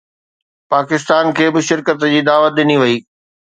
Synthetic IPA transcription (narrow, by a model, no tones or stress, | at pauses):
paːkɪst̪aːnkʰeːbɪʃɪɾkət̪d͡ʑiːd̪aːʋət̪̚ɗɪniʋɐiː